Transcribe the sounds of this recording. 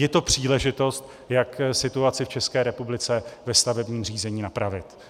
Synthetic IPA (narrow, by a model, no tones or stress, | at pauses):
jɛt̪o̞pr̝̥iːlɛʒɪt̪o̞st̪ | jaksɪt̪uat͡sɪft͡ʃɛskɛːɾɛpublɪt͡sɛvɛst̪avɛbɲiːmriːzɛɲiːnapɾavɪt̪